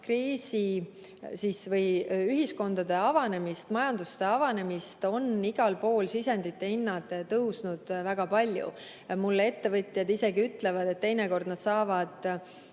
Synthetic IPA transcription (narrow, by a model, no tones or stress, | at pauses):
kriːsi | sisvɤjyɦisko̞nd̪̥ɑd̪e̞ɑvɑne̞mist̪mɑjɑnd̪̥ust̪e̞ɑvɑne̞mist̪o̞niɡ̥ɑlpo̞ːlsisend̪it̪ːe̞inːɑd̪̥et̪ɤwsnud̪̥væɡ̥ɑpɑlʲjṵ | mulːee̞t̪ːe̞vɤt̪ʲˑjɑd̪ise̞ɡiyt̪ːˑle̞vɑd̪̥e̞t̪ːejne̞ko̞rd̪nɑd̪sɑːvɑd̪̥